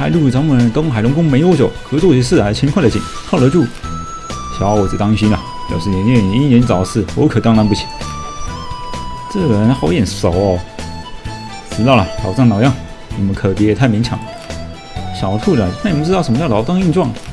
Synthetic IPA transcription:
a˧˥ɪlu˥˩˧ʈ͡ʂɑ˧˥ʊmu˥˩ə˧˥nt̪o˥˩xa˨˩lʊ˧˥ŋkʊ˥ŋme˧˥ɪjo˧˥ʊt͡ɕjo˨˩ʊkʰɤ˧˥t͡swɔ˥˧t͡ɕi˧˥ʂɹ̩˥˩a˧˥˧t͡ɕʰi˧˥nkʰwa˥˩də˨˩t͡ɕʰḭ˨˩nkʰɑ˥˩ʊlə˧˥t͡ɕu˥˩ | ɕjɑ˧˥ʊɔ˧˩i˨˩t̪ɑ˥ŋɕi˥nɐ˨˩ | pjɑ̰˨˩ʊʂɻ̩˥˩ɛ˧˥nɛ˥˩i˧˥i˥˩njɛ˧˥nt͡sɑ˨˩ʊsɹ̩˥˩wɔ̰˧˥kʰɤ˨˩t̪ɑ˥ŋna˧˥npu˥˩t͡ɕʰi̥˨˩˦ | ʈ͡ʂɤ˥˩˨ə˧˥nxɑ˧˥ʊjɛ˨˩nso˨˩˦ʊɔ˥˩ | ʈ͡ʂɻ̩˧˥t̪ɑ˥˩lɐ˨˩lɑ˨˩ʊʈ͡ʂɑ˥˩ŋnɑ˨˩ʊjɑ˥˩ŋ | ni˨˩mə˧˦kʰɤ˨˩pjɛ˧˥jɛ˨˩t̪ʰa˥˩ɪmi˧˥ŋt͡ɕʰɑ̰˧˥˦ŋ | ɕjɑ˨˩ʊt̪ʰu˥˩lə˨na˥˩ni˨˩m˧˥ʈ͡ʂɻ̩˥˩ʂə˧˥mə˧t͡ɕɑ˥˩lɑ˧˥ʊt̪ɑ˥˧ŋi˥˧nʈ͡ʂwɑ˥˩ŋ˩

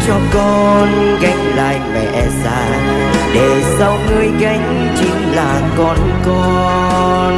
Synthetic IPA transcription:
t͡ɕɔ˧kɔ˧nɣa˧˩jŋ̟la̰ː˧˨jmɛ̰˨˩ʔɛ˧˩za̰ː˧˩ | ɗe˨˩sa˧wŋɨ˧əjɣa˧˩jŋ̟ | t͡ɕi˧˦ŋlaː˧˨˩kɔ˧n | kɔ˧ | n

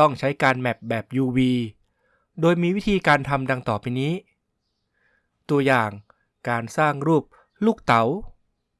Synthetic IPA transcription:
ɔ˥˩ŋt͡ɕʰa˦˥jkaː˧nmɛ˨˩p̚bɛː˨˩p̚juː˧wiː˧ | doː˧jmiː˧wi˦˥t̪ʰiː˧kaː˧nt̪ʰa˧mda˧ŋt̪ɔː˨˩piː˧niː˦˥ | t̪u˧ɐjaː˨˩ŋ | kaː˧nsaː˥˩ŋɾuː˥˩p̚ | luː˥˩k̚t̪a˩˦w

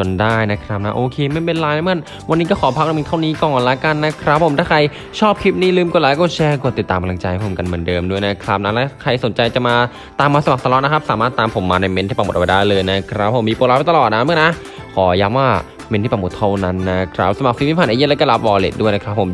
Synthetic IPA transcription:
t͡ɕo˨˩ndaː˥˩jna˦˥kʰɾa˦˥p̚na˦˥ʔoː˧kʰeː˧ma˥˩npe˧nlaː˧ja˦mɯ˥˩˨n | wa˧nːiː˦˥kɔ˥˩kʰɔː˩˦pʰa˦˥la˧mi˧t̪ʰa˥˩niː˦˥kɔ˧˩ŋʔɔ˨˧˩lɛ˦˥ka˧nːa˦˥kʰɾa˦˥p̚ʰːo˩˦nt̪ʰaː˥˩kʰa˧j | t͡ɕʰɔː˥˩p̚kʰi˦˥p̚niː˥˩˨lɯː˧mku˧˩laː˨˦jkɔː˥˩t͡ɕʰɛː˧ku˧˩t̪ːi˨˩t̪ːaː˧mka˧mla˧ŋt͡ɕa˧jhpʰo˨˩˦mka˧nmɯ˩˦ndɤː˧mdu˥˩jna˦˥kʰɾa˦˥p̚na˦˥lɛː˦˥kʰa˧jso˨˩˦nt͡ɕa˧jt͡ɕa˨˩maː˧ | t̪aː˧mːaː˧sa˧ma˨˩k̚sa˧lɔ˦˥na˦˥kʰa˦˥p̚saː˨˦maː˥˩t̪ːaː˧mpʰo˩˦mːaː˧na˧jme˧nt̪ʰiː˥˩pa˧˩m˨˩t̪̚ʔwa˧jdaː˥˩jlɤː˧jna˦˥kʰɾa˦˥pʰːo˨˩˦mːiː˧poː˧laː˧˥wa˧t̪a˨lɔː˨t̪̚na˦˥mɯ˥˩˨na˦˥ | kʰɔː˩˦ja˦˥mwaː˥˩ | me˧nt̪ʰiː˥˩pa˨˩mo˨˩t̪ʰa˥˩na˦˥nːa˦˥kʰɾa̰˦˥p̚sa˧ma˨˩k̚si˨˦mi˥˩pʰaː˨nʔaː˧ji˦˥lːkɔː˥˩la˦˥p̚wɔː˧lḛ˨˩t̪̚du˥˩jna˦˥kʰɾa˦˥pʰːo˩˦m

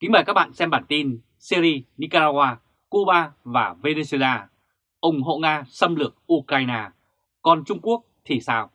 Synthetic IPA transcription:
kï˨˦ŋ̟maː˨˩kaː˦˥k̚ɓa̰ː˧˨nsɛ˧mɓaː˨˩nt̪i˧n | si˧ɾi˧ni˧kaː˧ɾaː˧ɣwaː˧ | ku˧ɓaː˧vaː˨˩ve˧ne˧su˧e˧laː˧ | ʔə˧wŋ͡mɦo̰˧˨ŋaː˧sə˧mlɨ˨˩ək̚ʔu˧kɾaː˧jnaː˧ | kɔ˧nt͡ɕʊ˧ŋ͡mku˦˥ək̚t̪ʰi˨˩saː˧w

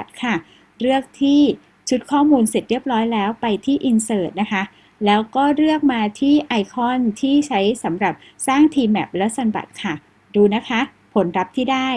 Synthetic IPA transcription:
a˨˩t̪̚kʰa˥˩ | ɾɯ˥˩ək̚t̪ʰiː˥˩ | t͡ɕʰu˦˥t̪̚kʰɔː˥˩muː˧nse˨˩t̪̚ɾi˥˩əp̚ɾɔː˦˥jlɛː˦˥wpa˧jt̪ʰiː˥˩ʔi˧nsɤː˨˩t̪̚na˦˥kʰa˦˥ | lɛː˦˥wkɔː˥˩ɾɯ˥˩ək̚maː˧t̪ʰiː˥˩ʔa˧jkʰɔ˥˩nt̪ʰiː˥˩t͡ɕʰa˦˥jsa˩˦mɾa˨˩p̚ | saː˥˩ŋt̪ʰiː˧mʔɛ̰˨˩p̚lɛ˦˥sa˧nba̰˨˩t̪̚kʰa˥˩ | duː˧na˦˥kʰa˦˥ | pʰo˩˦nɾa˦˥p̚t̪ʰiː˥˩daː˥˩j

